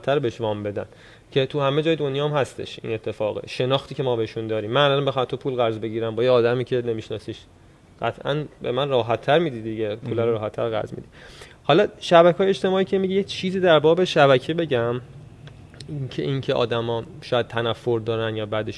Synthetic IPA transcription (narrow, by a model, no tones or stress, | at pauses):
t̪ʰːæɾbeeʃvɒːmbe̞d̪æ̰n | cʰe̞t̪ʰuhæme̞d͡ʒɒːjed̪onjɒːmhæst̪e̞̰ʃʔḭːne̞t̪ʰːe̞fɒːɣḛʃe̞nɒːxt̪ʰiːcʰe̞mɒːbeheʃund̪ɒːɾiːmːænælɒnbexɑmt̪ʰopʰuːlɣæɾzbe̞ɟiːɾæmbɒːjeɒːd̪æmiːcʰe̞ne̞miʃnɒ̰siʃ | ɢ̥æt̪ʰʔæ̰nbemænrɒːɦæt̪ʰːæɾmiːd̪id̪iɟepʰuːlæɾoɾɒːɦæt̪ʰːæɾɣæ̰ɾzmḭd̪ihɒlɒʃæbækʰɒːjeet͡ʃt̪e̞mɒːiːkcʰemiɟeject͡ʃʰiːziːd̪æɾbɒːbe̞ʃæbæcʰebe̞ɟæm | cʰeʔincʰeʔɒ̰ːd̪æmɒːʃɒːjæd̪̚t̪ʰænæfːo̞ɾd̪ɒːɾænjɒːbæd̪eʃ